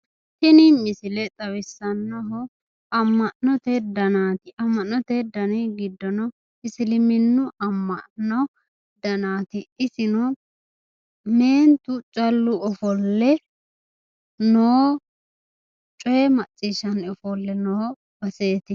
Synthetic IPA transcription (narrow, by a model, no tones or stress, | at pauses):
hɪnɪmɪsɪlɛt̪ʼɐβɪsːɐnːɐɦɔ | ɐmːɐʔnnɔt̪ed̪ɐnaːt̪ɪʔɐmːɐnːɔt̪ed̪ɐnɛɡɪd̪ːɔnɔ | ɪsɪlɪmɪnːʊʔɐmːɐnɔ | d̪̥ɐnaːt̪ɪɪsɪnɔ | me̞ːnt̪ʊt͡ʃʼɐlːʊɔfɔlːɛ | noː | t͡ʃʼɔjɛmɐt͡sʼːiːʃɐnɔfɔlːɛnɔː | b̥ɐseːt̪ɪ